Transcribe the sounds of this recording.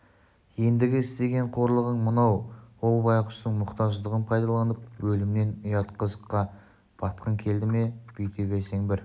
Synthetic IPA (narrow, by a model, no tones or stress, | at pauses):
je̞nd̪ɪɡʲɪɪst̪e̞ɡʲe̞ɴqʰo̞ɾlˠəʁəɴmənɑwwo̞lˠbɑjqʊ̥st̪əɴmʊqt̪ɑʒd̪əʁənpʰɑjd̪ɑlˠɑnəp̚wɵlɪmne̞nʊjɑt̪qʰəzəqːɑ | b̥ɑt̪qəŋkʲʰe̞ld̪ɪme̞b̥ijt̪ʰebʲeɾse̞ŋbɪɾ